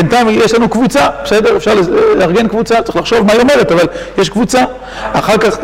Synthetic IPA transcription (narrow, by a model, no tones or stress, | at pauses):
ent̪aimjeʃlanukvut͡sabese̞de̞ʁefʃaʁleleaʁɡe̞nkvut͡sat̪ḁiχlaχʃo̞vmaiome̞ʁetavaljeʃkvut͡sa | aχaʁkaχ